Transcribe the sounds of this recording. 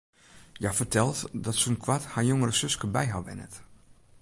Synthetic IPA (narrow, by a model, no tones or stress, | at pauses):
jafərtʰɛlˠtdɔtsunkʰwathajoŋəɾəsøskəbɛjɦaʋɛ̰nə̰t